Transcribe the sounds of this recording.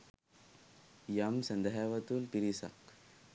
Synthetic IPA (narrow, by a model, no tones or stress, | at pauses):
jɐmsɐnd̪ɐɦaʋɐt̪ulpiɾisɐ̰k